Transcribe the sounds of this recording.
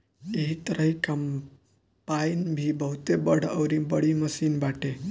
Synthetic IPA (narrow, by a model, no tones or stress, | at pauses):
eɦit̪əɾəɦikam | painbʱibəɦut̪ebəɽ̤əʋɾibəɽiməsiːnbaʈe